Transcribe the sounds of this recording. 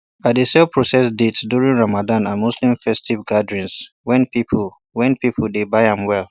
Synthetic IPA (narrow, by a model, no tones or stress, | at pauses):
badesɛlpʰɹɔsɛsdetsduɹĩŋɹamadãnãnmuslĩɱfɛstʰivɡadɹĩns | wɛ̃npipʰ | wɛ̃npipʰəldebaɪhãmwɛlˠ